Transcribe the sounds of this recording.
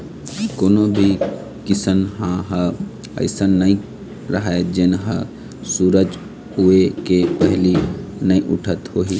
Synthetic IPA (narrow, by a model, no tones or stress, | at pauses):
koːnobʱi | kɪsənɦãɦə | ə̰ɪsənːəĩ | ɾɐɦaed͡ʒenɦə | suːɾəd͡ʒ | ɦuekepəɦlinəĩʔʊʈʰət̪ɦoːɦi